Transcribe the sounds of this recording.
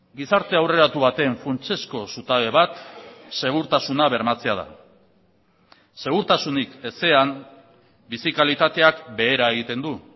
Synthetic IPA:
ɡisaɾt̪e̞awre̞ɾat̪uβat̪e̞ɱfunt͡ʃe̞sko̞sut̪aβe̞βat̪se̞ɣ̞uɾt̪asunaβe̞ɾmat͡se̞að̞a̰ | se̞ɣ̞uɾt̪asunike̞se̞am | bisikalit̪at̪e̞akbe̞ːɾaeɣ̞it̪e̞nd̪u

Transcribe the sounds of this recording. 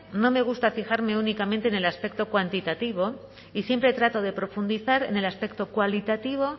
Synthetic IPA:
no̞me̞ɣ̞ust̪afixaɾme̞unikamẽnt̪eːne̞laspe̞k̚t̪o̞kwant̪it̪at̪iβ̞o̞ | isje̞mpɾe̞t̪ɾat̪o̞ðe̞pɾo̞fund̪iθaɾe̞̰ne̞laspe̞k̚t̪o̞kwalit̪at̪iβ̞o̞

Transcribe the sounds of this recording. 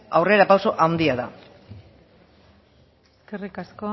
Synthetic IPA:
awreɾapawso̞ʔawnd̪iaða̰ | eskerikasko

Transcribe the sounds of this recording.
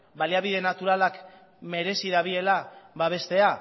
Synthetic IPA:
baliaβ̞iðe̞nat̪uɾalak | me̞ɾe̞siðaβie̞laβaβ̞e̞st̪e̞a

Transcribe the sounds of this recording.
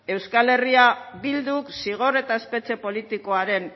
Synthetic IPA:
e̞wskale̞riabild̪uksiɣ̞o̞ɾe̞t̪aespe̞t͡se̞po̞lit̪iko̞aɾe̞n

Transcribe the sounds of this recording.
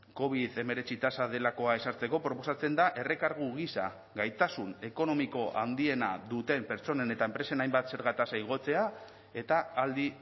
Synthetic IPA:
ko̞β̞iðe̞me̞ɾe̞t͡sit̪asað̞e̞lako̞ae̞saɾt͡se̞ko̞pɾo̞po̞sat͡se̞nd̪aʔe̞re̞kaɾɣ̞uɣisa | ɣajt̪asune̞ko̞no̞miko̞ʔa̰nd̪ie̞naðut̪e̞mpe̞ɾt͡so̞ne̞ne̞t̪aempɾe̞se̞najmbat̪se̞ɾɣ̞at̪asaiɣ̞o̞t͡se̞a | e̞t̪aːld̪i

